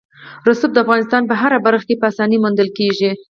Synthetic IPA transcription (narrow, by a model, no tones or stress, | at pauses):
ɾʊsup̚d̪əafɣɑnɪst̪ɑnpəɦaɾabaɾxkepəasɑnimund̪əlkeʒi